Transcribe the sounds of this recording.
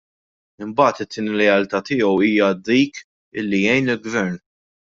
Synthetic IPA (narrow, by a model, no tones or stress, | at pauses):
ɪmbɐːt̪ɪt̪ʰːɪːniɾɛjɐlt̪ɐt̪ɪːɔwiːjɐd̪iːk | ɪlːijɛjnɪlɡvɛɾn